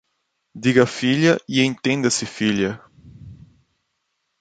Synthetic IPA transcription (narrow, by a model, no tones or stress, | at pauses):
d̪iɡɐfiʎɐiẽnt̪ẽnd̪ɐsɪfiʎɐ